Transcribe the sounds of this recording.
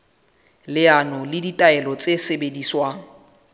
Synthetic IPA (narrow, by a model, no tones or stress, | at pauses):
lɪanɔlɪditʼaɛlɔt͡sʼesebediːswaːŋ̩